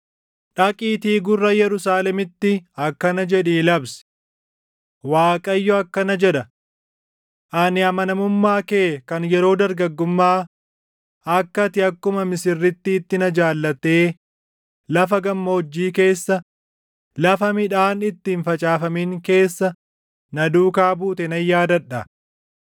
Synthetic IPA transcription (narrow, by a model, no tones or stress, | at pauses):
ᶑɐkʼiːt̪iːɡʊrːɐjɛɾʊsaːlɛmɪt̪ːɪɐkːɐnɐd͡ʒɛᶑiːlɐbs | waːkʼɐjːɔɐkːɐnɐd͡ʒɛᶑɐ | ʔɐnɪɐmɐnɐmʊmːaːkeːkɐnjɛɾo̞ːd̪ɐɾɡɐɡːʊmːaː | ɐkːɐt̪ɪɐkːʊmɐmɪsɪrːɪt̪ːɪːt̪ːɪnɐd͡ʒaːlːɐt̪e̞ː | lɐfɐɡɐmːɐɔd͡ʒːiːke̞ːsːɐ | lɐfɐmɪᶑaːnɪt̪ːiːnfɐt͡ʃʼaːfɐmiŋke̞ːsːɐ | nɐd̪uːkaːbuːt̪ɛnɐjːaːd̪ɐᶑɐ